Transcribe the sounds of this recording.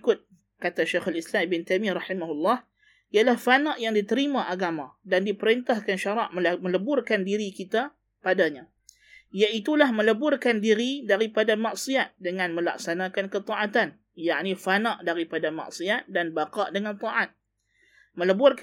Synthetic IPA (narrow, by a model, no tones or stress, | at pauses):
kʊt̪̚ | kat̪aʃaxalislambɪnt̪ajmiɾɑħimaɦulːɑh | ijalahfanaʔjaŋdit̪əɾimaʔaɡamãdandipəɾint̪ahkanʃaɾɑʔməlmə̃ləbʊrkandiɾikit̪a | padaɲa | ijait̪ulahmə̃ləbʊrkandiɾidaɾipadamaʔsiat̪̚dəŋãnmə̃la̰k̚sanãkankət̪ɑʔat̪an | jaʔnifanaʔdaɾipadama̰ʔsiat̪̚danbaqɑʔdəŋant̪ˤɑʔat̪̚ | mə̃ləbʊrk